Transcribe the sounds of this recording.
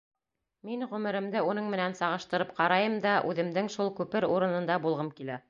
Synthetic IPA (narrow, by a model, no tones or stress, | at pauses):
minʁɵ̆mɘ̆ɾɘ̆md̪ɘunɤɴmɘ̆nænsɑʁɤ̆ʃt̪ɤ̆ɾɤpqɑɾɑjɤmd̪ɑʔʉðɘ̆md̪ɘŋʃulˠkʉpɘɾuɾɤ̆nɤ̆nd̪ɑbulˠʁɤmkilæ